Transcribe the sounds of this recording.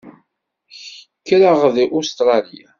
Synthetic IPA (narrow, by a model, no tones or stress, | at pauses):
çəkːɾaʁðiʔʊst̪ɾˤɑlija